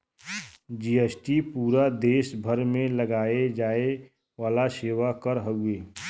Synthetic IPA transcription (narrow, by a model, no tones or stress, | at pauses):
d͡ʒiːesʈipuːɾad̪eːʃbʱəɾmẽləɡaːed͡ʒaːe | ʋaːlaseːʋakəɾɦəueː